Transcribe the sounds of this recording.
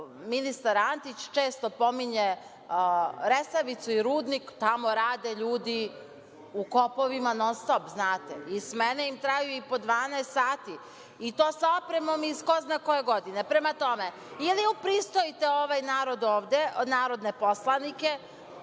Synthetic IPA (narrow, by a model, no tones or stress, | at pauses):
minist̪aɾant̪it͡ɕt͡ʃeːst̪o̞po̞miɲe | ɾesaʋit̪suiɾuːd̪nikt̪amo̞ɾaːd̪eʎuːd̪i | uko̞po̞ʋimanost̪opznaːt̪eismeneimt̪ɾajuipo̞d̪ʋaːnɛjst̪saːt̪i | it̪oːsaopɾemo̞misko̞znako̞je̞ɡo̞d̪inepɾe̞mat̪o̞me | iliupɾist̪o̞it̪eo̞ʋajnaːɾo̞d̪oːʋd̪e̞ʔnaːɾo̞d̪ne̞po̞slˠanike̞